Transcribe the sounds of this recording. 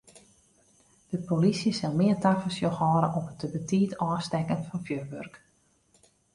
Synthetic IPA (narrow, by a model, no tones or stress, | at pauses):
d̥əpolisjəsɪlˠmɪːrtafəsjoxhɔːɾə̰ʔɔmətəbətʰiːtɔːstɛkənfɑnfjøʋørk